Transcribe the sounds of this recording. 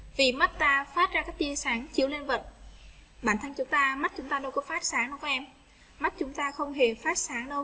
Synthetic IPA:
vi˨˩ma˦˥t̚t̪aː˧faː˦˥t̚zaː˧kaː˦˥k̚t͡ɕi˧əsaː˨˩˦ŋt͡ɕi˧˩əwle˧nvə˨˩t̚ɓaː˧˩nt̪ʰə˧ŋt͡ɕʊ˨˦ŋ͡mt̪aː˧ma˦˥t̚t͡ɕʊ˨˦ŋ͡mt̪aː˧ɗo˧wkɔ˨˦faː˦˥t̚saː˨˦ŋɗɔ˧wkʔɛ˧m | ma˦˥t̚t͡ɕʊ˨˦ŋ͡mt̪aː˧xə˧wŋ͡mɦe˨˩faː˦˥t̚saː˨˦ŋɗo˧w

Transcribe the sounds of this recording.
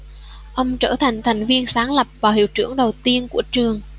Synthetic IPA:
ʔə˧wŋ͡mt͡ɕəː˧˩t̪ʰa˨˩jŋ̟t̪ʰa˨˩jŋ̟vi˧ənsaː˨˦ŋlə˨˩p̚vaː˨˩whḭ˧˨wt͡ɕɨ˧˩əŋɗə˨˩wt̪i˧ənku˧˩ət͡ɕɨ˨˩əŋ

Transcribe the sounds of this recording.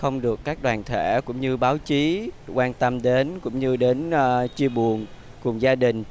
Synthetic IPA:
xə˧wŋ͡mɗɨ˨˩əkːaː˦˥k̚ɗwaː˨˩nt̪ʰe˧˩kʊ̰˧˥ŋ͡mɲɨ˧ɓaː˨˦wt͡ɕi˨˦kwaː˧nt̪ə˧mɗe˨˦nkʊ̰˧˥ŋ͡mɲɨ˧ɗe˨˦nʔːt͡ɕi˧əɓu˨˩ən | kʊ˨˩ŋ͡mzaː˧ɗï˨˩ŋ̟

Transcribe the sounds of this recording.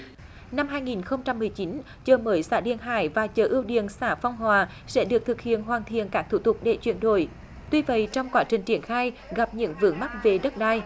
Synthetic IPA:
na˧mɦaː˧jŋi˨˩nxə˧wŋ͡mt͡ɕa˧mːɨ˨˩əjt͡ɕi˨˦n | t͡ɕəː˨˩məː˨˦jsa̰ː˧˩ɗḭ˧˩ənɦa̰ː˧˩jvaː˨˩t͡ɕəː˨˩ʔɨ˧əwɗḭ˧˨ənsaː˧˩fɔ˧wŋ͡mɦwaː˨˩ | sɛ̰˧˥ɗɨ˨˩ək̚t̪ʰɨ˨˩k̚hḭ˧˨ənɦwaː˨˩nt̪ʰḭ˧˨ənkaː˦˥k̚t̪ʰu˧˩t̪ʊ˨˩k͡p̚ɗḛ˧˩t͡ɕwi˧˨ənɗo̰˧˩j | t̪wi˧və̰˧˨jt͡ɕɔ˧wŋ͡mkwaː˨˦t͡ɕï˨˩ŋ̟t͡ɕi˧˩ənxaː˧jɣa˨˩p̚ɲɨ̰˧˥ŋvɨ̰˧˦əŋma˦˥t̚ve˨˩ɗə˦˥t̚ɗaː˧j

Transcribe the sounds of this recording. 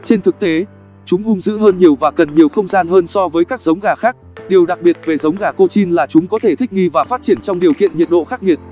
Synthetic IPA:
t͡ɕe˧nt̪ʰɨ˨˩k̚t̪e˨˦ | t͡ɕʊ˨˦ŋ͡mɣʊ˧ŋ͡mzɨ̰˧˥ɦəː˧nɲi˨˩əwvaː˨˩kə˨˩nɲi˨˩əwxə˧wŋ͡mzaː˧nɦəː˧nsɔ˧vəː˨˦jkaː˦˥k̚zə˨˦wŋ͡mɣaː˨˩xaː˦˥k̚ɗi˨˩əwɗa˨˩k̚ɓi˨˩ət̚ve˨˩zə˨˦wŋ͡mɣaː˧˩ko˧t͡ɕi˧nlaː˨˩t͡ɕʊ˨˦ŋ͡mkɔ˨˦t̪ʰe˧˩t̪ʰk̚ŋi˧vaː˨˩faː˦˥t̚t͡ɕi˧˩ənt͡ɕɔ˧wŋ͡mɗi˨˩əwkḭ˧˨ənɲi˨˩ət̚ɗo̰˧˨xaː˦˥k̚ŋi˨˩ət̚

